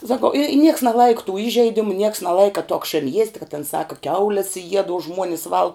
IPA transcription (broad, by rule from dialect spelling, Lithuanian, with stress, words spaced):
sɐˈkɐʊ ɪ nʲiɛks nʲɛˈlˠɐɪkɐ tuː ˈɪʒʲɛɪdʲɪmʊ nʲiɛks nʲɛˈlˠɐɪkɐ toː ɐkˈʃʲeːn jiɛsʲtʲ kɐ tʲɪn ˈsɑːkɐ ˈkʲɛʊlʲɛs jiɛt oː ˈʒmuɔnʲɪs ˈʋɐlˠk